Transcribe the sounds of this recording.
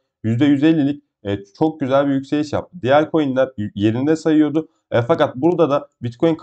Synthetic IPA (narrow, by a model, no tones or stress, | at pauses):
jyzd̪ɛjyze̞lʲːilʲic̚ | ɛːt͡ʃʰo̞k̚ɟyzælʲbijycʲsejiʃja̰p̚t̪ʰɯd̪ijæɾʲkʰo̞jinlːʲˠaɾje̞ɾind̪ɛsajɯjo̞d̪ʊ | ɛfakat̪̚buɾd̪ad̪abit̪̚kʰo̞jinkʰ